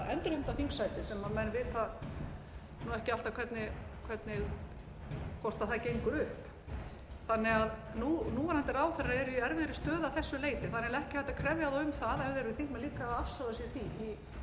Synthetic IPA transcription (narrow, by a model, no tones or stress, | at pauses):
ɛnt̪ʏɾhɛmt̪aθiŋksajt̪ɪsɛmːamɛnvɪːt̪a | nuɛhcɪal̥t̪akʰvɛt̪nɪkʰv̥ɛt̪nɪɣ | kʰɔr̥t̪aθacejŋkʏɾʏhp | θanːɛɣaðnuːnuːahant̪ɛɾaːwθɛraɛɾʏiɛɾvɪɾɪst̪œːðaθɛsːʏleːjt̪ɪθanɪaðɛhcɪhaɛht̪akʰɾɛvjaðʏmθaðɛvðɛɾʏθiŋkmɛðliːkaðafsalasjɛɾ̥θii